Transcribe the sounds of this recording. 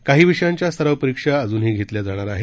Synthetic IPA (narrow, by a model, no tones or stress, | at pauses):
kaɦiːʋiʂjaɲt͡ɕjasəɾaʋpəɾikʂaəd͡zuːnɦeɡʱet̪ljad͡zaɽ̃aɾaɦe